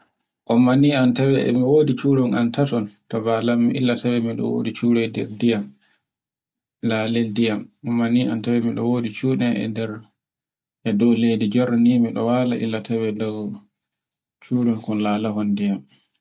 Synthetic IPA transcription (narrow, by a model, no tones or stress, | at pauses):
ʔɔmːaniːantawɛɛ̰miwoːdit͡ʃuːɾɔnʔantatɔntabalamːiʔilːatawɛmiɗɔ̰wo̰dit͡ʃuːɾɛjdɛ̰ɾdijam | laːleldijamʔɔmːaniantawɛmiɗɔ̰woːdit͡ʃuːɗɛɛ̰dɛɾ | ʔɛdɔwlejdid͡ʒɔɾanimiɗɔ̰waːlaʔḭlːatʰawɛdɔw | t͡ʃuːɾɔnkɔnlaːlaɦɔndijam